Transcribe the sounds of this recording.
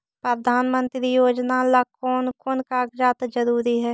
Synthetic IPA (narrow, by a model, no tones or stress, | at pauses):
pɾəd̪ʱaːnmə̃nt̪ɾijoːd͡ʒnalakɔːnkoːnkaɡd͡ʒaːt̪d͡ʒəɾuːɾiɦɛː